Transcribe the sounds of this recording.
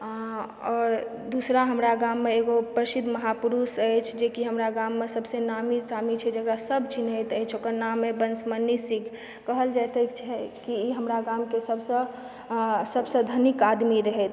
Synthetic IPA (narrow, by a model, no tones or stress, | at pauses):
ɔːɾ | d̪usɾaɦəmɾaɡamːeeɡopɾəsid̪ʱməɦapuɾusəjt͡ʃʰd͡ʒekiɦəmɾaɡamːesəbsenamisamit͡ʃʰɛd͡ʒəkɾasəbt͡ʃinət̪əjt͡ʃʰokəɾnamːebənsmənːisikʰ | kəɦəld͡ʒat̪et͡ʃʰɛkiiɦəmɾaɡamkesəbsə̃ | səbsə̃d̪ʱənikad̪miɾəɦɛt̪